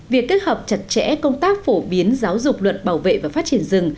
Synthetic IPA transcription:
vi˨˩əkːe˦˥t̚həː˨˩p̚t͡ɕə˨˩t̚t͡ɕɛ̰˧˥kə˧wŋ͡mt̪aː˦˥k̚fo˧˩ɓi˨˦ənzaː˨˦wzʊ˨˩k͡p̚lwə˨˩t̚ɓaː˧˩wvḛ˧˨vaː˨˩faː˦˥t͡ɕi˧˩ənzɨ˨˩ŋ

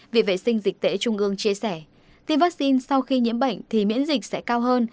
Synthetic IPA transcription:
vḭ˧˨˩vḛ˧˨sï˧ŋ̟zi˨˩k̟̚t̪ḛ˧˨˦t͡ɕʊ˧ŋ͡mʔɨ˧əŋt͡ɕi˧əsɛ˧˩ | t̪i˧əmvaː˦˥k̚si˧nsa˧wxi˧ɲḭ˧˥əmɓə̰˧˨jŋ̟t̪ʰi˨˩mḭ˧˥ənzi˨˩k̟̚sɛ̰˧˥kaː˧wɦəː˧n

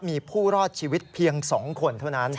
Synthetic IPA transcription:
miː˧pʰuː˥˩ɾɔː˥˩t̪̚t͡ɕʰiː˧wi˦˥t̪̚pʰi˧əŋsɔː˩˦ŋkʰo˧nt̪ʰa˥˩na˦˥n

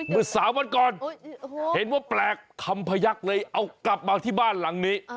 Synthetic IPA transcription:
mɯ˧˩saː˨˦mwa˧nkɔː˨n | he˨˦nwaː˥˩plɛː˨˩k̚t̪ʰːa˧mpʰa˧ja˦˥k̚lɤː˧jʔa˧wkla˨˩p̚maː˧t̪ʰiː˥˩baː˥˩nla˩˦ŋniː˦˥

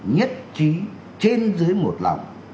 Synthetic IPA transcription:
ɲə˦˥t̚t͡ɕi˨˦ | t͡ɕe˧nzɨ˨˦əjmo˨˩t̚la̰˨˩wŋ͡m

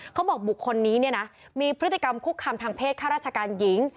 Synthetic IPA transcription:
kʰa˦˥wbɔː˨˩k̚bu˨˩kʰːo˧nːiː˦˥ni˥˩ɐna˦˥ | miː˧pʰɾɯ˦˥t̪ːi̥˨˩ka˧mkʰu˥˩kʰːaː˧mt̪ʰaː˧ŋpʰeː˥˩aː˥˩ɾaː˥˩t̚t͡ɕʰa˧kaː˧nji˩˦ŋ

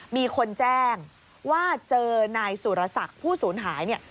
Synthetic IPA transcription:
miː˧kʰo˧nt͡ɕɛː˥˩ŋ | waː˥˩t͡ɕɤː˧na˧jsuː˨˩ɾa˧sa˨˩k̚pʰuː˥˩suː˩˦nɦaː˩˦jni˥˩ɐ

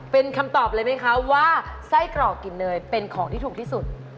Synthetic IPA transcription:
pe˧nkʰa˧mt̪ɔː˨˩p̚lɤː˧jma˦˥jkʰa˦˥waː˥˩sa˥˩jkɾɔː˨˩kːi˨˩nːɤː˧jpe˧nkʰɔː˩˦ŋt̪ʰiː˥˩uː˨˩t̪ʰi˥˩su˨˩t̪̚

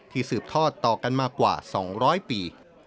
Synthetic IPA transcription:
t̪ʰiː˧˩sɯː˨˩p̚t̪ʰɔː˥˩t̪ːɔː˨˩ka˧nmaː˧kwa̰ː˨˩sɔ̰ː˩˦ŋɾɔː˦˥jpiː˨˧

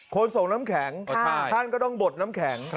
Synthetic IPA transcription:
kʰo˧nso˨˩ŋnaː˦˥mkʰɛː˩˦ŋʰ˧˥˩a˥˩nkɔː˥˩t̪ɔ˥˩ŋbo˨˩t̪̚naː˦˥mkʰɛː˩˦ŋ

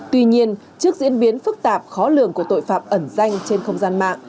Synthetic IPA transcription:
t̪wi˧ɲi˧ən | t͡ɕɨ˦˥ək̚zḭ˧˥ənɓi˨˦ənfɨ˦˥k̚t̪aː˨˩p̚xɔ˨˦lɨ̰˧˨əŋku˧˩ət̪o̰˧˨jfaː˧˩m̚ʔə˧˩nza˧jŋ̟t͡ɕe˧nxə˧wŋ͡mzaː˧nma̰ː˧˨ŋ

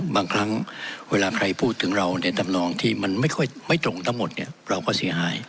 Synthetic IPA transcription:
baː˧ŋkʰɾa˦˥ŋweː˧laː˧kʰɾa˧jpʰuː˥˩t̪ʰːɯ˩˦ŋɾa˧wna˧˩t̪a˧mnɔː˧ŋt̪ʰiː˥˩ma˧nma˥˩jkʰɔ˥˩jma˥˩jt̪ɾo˧ŋt̪ʰa˦˥ŋmo˨˩t̪̚ni˥˩ɐɾa˧wkɔː˥˩si˩˦ɐɦaː˩˦j

